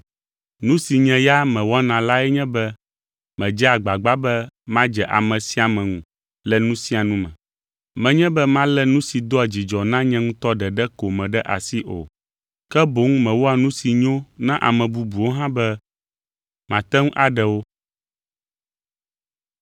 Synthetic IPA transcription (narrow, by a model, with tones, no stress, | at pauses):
nũ˦si˨ɲɛ̃˨ja˦mɛ̃˨wɔ˦nã˨la˦ɛ˦ɲɛ̃˦bɛ˦ | mɛ̃˨d͡ʒɛ˦a˨ɡ͡ba˨ɡ͡ba˦bɛ˦mã˦d͡ʒɛ˨ʔa̰˨mɛ̃˨si˦a˨mɛ̃˨ŋũ˨ | lɛ˦nũ˦sĩ˦a˨nũ˦mɛ̃˨ | mɛ̃˨ɲɛ̃˦bɛ˦mã˦lɛ˦nũ˦si˨d̪o˦a˨d͡ʑi˨d͡ʒɔ˨nã˦ɲɛ̃˦ŋũ˦t̪ɔ˦ɖɛ˨ɖɛ˦ko˨mɛ̃˨ɖɛ˦ʔa̰˨si˦ʔo̰˨ | kɛ˦bo˨˦ŋ˦mɛ̃˨wo˦a˨nũ˦si˨ɲõ˦nã˦ʔa̰˨mɛ̃˨bu˨bu˨wo˦ɦã˦bɛ˦ | mã˨t̪ɛ˦ŋũ˦ʔa˨ɖɛ˨wo˦